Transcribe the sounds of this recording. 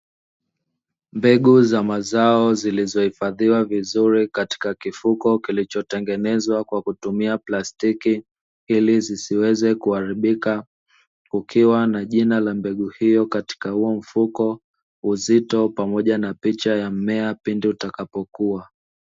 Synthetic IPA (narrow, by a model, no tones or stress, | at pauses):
mbɛɠuzamazaɔzilizɔhifaðiwavizuɾikati̥kakifukɔkilit͡ʃɔtɛŋɡɛnɛzwakwakutumiaplastiki | ilizisiwɛzɛkuaɾiɓika | ukʰiwanaʄinalambɛɠuhijɔkati̥kahuɔm̩fukɔ | uzitɔpamɔʄanapit͡ʃajamɛapindiutakapɔkua